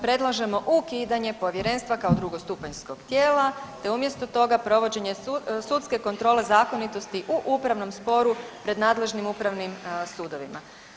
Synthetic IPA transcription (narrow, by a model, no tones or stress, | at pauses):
pɾe̞d̪lˠaʒe̞mo̞ʔukiːd̪aɲe̞po̞ʋje̞ɾe̞nst̪ʋakaod̪ɾuɡo̞st̪upaɲsko̞ɡ̥t̪jeːlat̪e̞umje̞st̪o̞t̪o̞ɡapɾo̞ʋo̞d͡ʑe̞ɲe̞sut̪ske̞ko̞nt̪ɾo̞ːle̞zaːko̞nit̪o̞st̪iʔuʔupɾaʋno̞mspo̞ɾupɾe̞d̪naːd̪le̞ʒnimupɾaʋnimsuːd̪o̞ʋima